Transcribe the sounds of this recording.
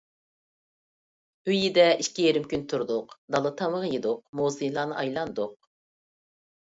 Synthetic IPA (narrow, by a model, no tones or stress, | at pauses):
øjid̪ɛʔiʃkʲijeɾɪmkʲynt̪ʰuɾd̪ʊqd̪ɑlˠɨt̪ʰɑməʁjed̪ʊqmozɨjlˠɑːnɨʔɑjlˠɑnd̪ʊq̚